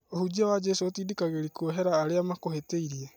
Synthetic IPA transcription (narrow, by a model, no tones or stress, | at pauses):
oɦud͡ʒiaβad͡ʒesot̪idikaɡeɾikuoɦeɾaːɾeamakoɦeteiɾia